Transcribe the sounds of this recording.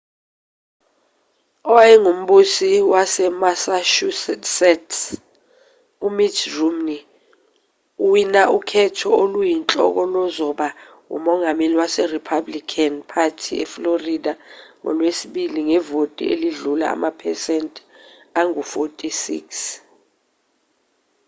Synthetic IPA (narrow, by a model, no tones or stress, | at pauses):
ɔwaɛŋum̩ɓusiwasɛmasaʃusɛtsɛtʰ | umitrumni | uwinaʔukʰɛtʰɔolujint͡ɬʼɔ̰k̬ɔlɔzɔɓa | ṵmɔŋameliwasɛripʰablikʰanpʰatʰiɛ̰floridaŋɔ̰lwesiɓiliŋɛvotʼḭḛliɮula̰a̰mapʰɛsɛntʼ | aŋufotʼisḭks